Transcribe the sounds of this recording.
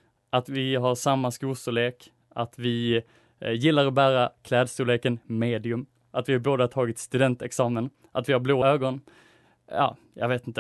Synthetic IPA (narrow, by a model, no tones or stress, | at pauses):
ʔat̪vɪɦaɾʂamːaskuːlst̪uːleːk | at̪vɪ | jɪlːaɾɔbæːɾakʰlɛːd̪st̪uːleːkənmeːd̪ɪɵm | ʔat̪vɪhaɾboːd̪at̪ʰɑːɡɪt̪st̪ɵd̪ɛnt̪ɛksɑːmən | ʔat̪vɪhaɾbloːøːɡɔn | jɑ̰ː | jɑ̰ːɡveːt̪ɪnt̪ə